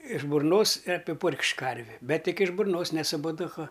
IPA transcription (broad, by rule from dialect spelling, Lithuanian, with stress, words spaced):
ɪʃ bʊrˈnoːs ɪ ɐpʲɪˈpʊrʲkʲʃʲkʲ ˈkɐrʲʋʲɪ ˈbʲɛt ˈtʲɪk ɪʃ bʊrˈnoːs nʲɛ sʊ poːdʊˈkʊ